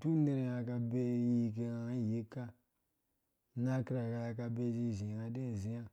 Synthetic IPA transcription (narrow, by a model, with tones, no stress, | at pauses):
tu˦ne˦ɾe˨ja˧ka˧be˦ji˦k̬e˧a˨˦˨ji˦ka˦˨ | na˦ki˦ɾa˨ka˧ja˧ka˧be˦d͡ʒi˦˨ʒĩ˨a˨de˦˨zi˦ja˦